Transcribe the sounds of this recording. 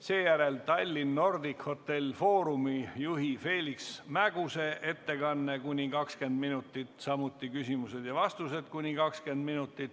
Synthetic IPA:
se̞ːjæɾe̞lt̪ɑlʲːinːo̞rd̪ikho̞t̪ːe̞lʲfo̞ːɾumijuɦife̞ːlʲiksmæɡ̥use̞ʔe̞t̪ːe̞kɑnːe̞kunʲikɑkske̞nd̪minut̪ːˑit̪sɑmut̪ːˑikysimused̪̥jɑvɑst̪use̞d̪̥kunʲikɑkske̞nd̪minut̪ːˑit̪

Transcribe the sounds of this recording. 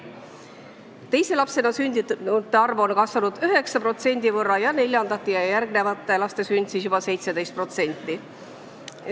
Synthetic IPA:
t̪e̞jse̞lɑpse̞nɑsynʲd̪iut̪ːˑeɑrvonkɑsvɑnud̪̥yɦe̞ksɑpro̞t̪se̞nʲd̪̥ivɤrːɑjɑne̞lʲjɑnd̪̥ɑt̪ːˑejɑjæɾɡne̞vɑt̪ːˑe̞lɑst̪e̞synʲd̪sisjub̥ɑse̞jt̪se̞d̪e̞jst̪̚pro̞t̪se̞nʲt̪ːˑi

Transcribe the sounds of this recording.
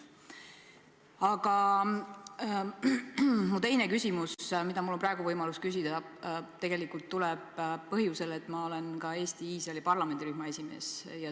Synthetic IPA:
ɑɡɑ | mut̪e̞jne̞kysʲimusmid̪̥ɑmulːo̞mprɑeɡuvɤjmɑluskys̬id̪ɑ | t̪e̞ɡ̥e̞likult̪ːulɛbːɤɦjuse̞le̞t̪ːˑmɑole̞nkɑe̞ːst̪iiːsrɑelipɑrlɑme̞nd̪iɾyhmɑe̞sʲime̞ːsjɑ

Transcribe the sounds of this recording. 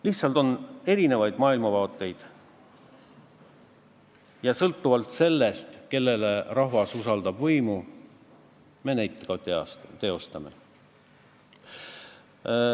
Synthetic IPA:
liht̪sɑlt̪o̞ne̞ɾine̞vɑjd̪mɑːilmɑvɑːt̪ːˑe̞jd̪̥ | jɑsɤlt̪ːuvɑlt̪se̞lːe̞st̪ke̞lːe̞lerɑɦvɑsusɑld̪ɑbvɤjmu | me̞næjt̪ːˑeɡ̥ɑt̪t̪e̞o̞st̪ɑme̞̰

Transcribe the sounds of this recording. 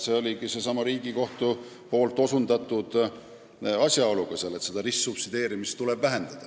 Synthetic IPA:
se̞o̞lʲiɡise̞sɑmɑɾiːɡ̥iko̞ht̪u | po̞ːlt̪ːˑo̞sund̪ɑt̪ːˑud̪̥ | ɑsʲjɑolukose̞le̞t̪se̞d̪̥ɑrisːupsid̪e̞ːɾimist̪ːule̞b̥væɦe̞nd̪̥ɑd̪̥ɑ

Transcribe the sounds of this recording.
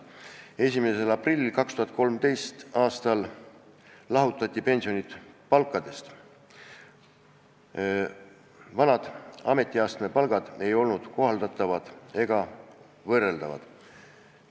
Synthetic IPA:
e̞s̬ʲimeselɑprilʲːilkɑkst̪uhɑt̪̚ˑkolmt̪e̞jst̪ɑːst̪ɑlː | ɑɦut̪ˑːɑt̪ʲːˑipe̞nsio̞nit̪pɑlkːˑɑd̪̥e̞st̪ | vɑnɑd̪̥ɑ̰me̞t̪ʲːˑiɑːst̪me̞pɑlɡ̥ɑd̪̥e̞jo̞lnud̪̥ko̞ɦɑld̪ɑt̪ːˑɑvɑd̪̥e̞ɡ̥ɑ | vɤrːe̞ld̪ɑvɑ̰d̪̥

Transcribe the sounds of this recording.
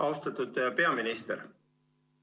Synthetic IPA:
ɑwst̪ɑt̪ud̪pe̞ɑminist̪eɾ

